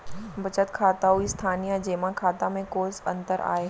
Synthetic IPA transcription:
bɐt͡ʃət̪kʰaːt̪aɦuist̪ʰaːnijad͡ʑeːmãkʰaːt̪amẽkoːzɐ̰̃nt̪əɾa̰ːe

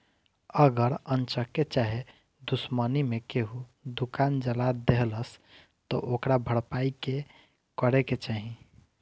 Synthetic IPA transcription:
əɡəɾənt͡ʃəket͡ʃaɦe | d̪usmənimekeɦud̪ukand͡ʒəlad̪eɦləs | t̪ɔʔokɾabʱəɽpaike | kəɾeket͡ʃaɦĩ

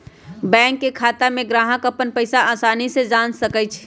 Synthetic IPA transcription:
bɛ̃ːŋkːekʰaːt̪amẽɡɾaːɦəkəpənpəɪsaaːsaːnised͡ʒaːnsəkət͡ʃʰ

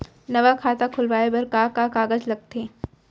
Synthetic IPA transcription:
nɐʋakʰaːt̪akʰʊlʋaːebɐɾkakakaːɡəd͡ʒlɐɡ̚t̪eː

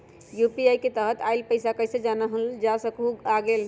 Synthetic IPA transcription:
jupiajket̪əɦət̪ailpəjsakəjsed͡ʒanəɦəld͡ʒasəkuaɡel

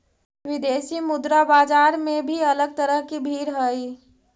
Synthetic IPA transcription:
ʋid̪esimʊd̪ɾabad͡ʒaɾmebʱiələɡ̚t̪əɾəɦkibʱiːɾɦəi

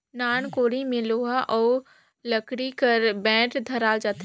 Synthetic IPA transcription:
naːnkoːɽimẽloːɦaʔɔː | lɐkɽikɐɾbɛ̃ːʈd̪ʱɐɾaːld͡ʒaːt̪

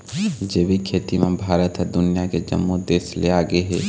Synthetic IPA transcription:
d͡ʒeːʋikʰeːt̪imẽbʱaːɾət̪ɦɔɾd̪ʊnɪjaked͡ʒə̰mːod̪eːsleaːɡeɦɛː

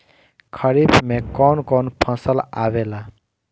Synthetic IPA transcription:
kʰəɾibmekɔnkɔnpʰʌ̃səlabela

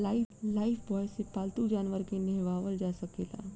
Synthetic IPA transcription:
aɪlaːɪpʰbɔːjsepaːlt̪ud͡ʒaːnʋəɾkenɛɦʋaːʋəld͡ʒaːsɐkeːla̰ː

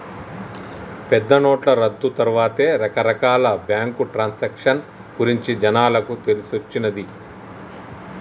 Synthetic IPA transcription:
pɛd̪ːɐnoːʈlɐɾɐd̪ːut̪ɐɾuʋaːt̪e̞ːɾɐkɐɾɐkaːlɐbjaːŋkuʈɾaːnsekʂɐn | ɡuɾiɲt͡ʃid͡ʒɐnaːlɐkut̪e̞lisot͡ʃːinɐd̪i

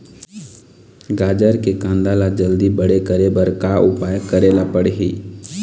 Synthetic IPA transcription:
ɡaːd͡ʒəɾkekãnd̪alad͡ʒəld̪ibəɽekəɾebəɾkaʔʊpaːjəkːəɾelapəɽeɦḭː

